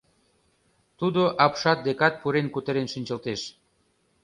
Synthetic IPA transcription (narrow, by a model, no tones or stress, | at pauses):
t̪ud̪oʔɑpʃɑt̪̚d̪ekɑt̪̚puɾenkut̪əɾenʃinʲt͡ɕəlt̪eʃ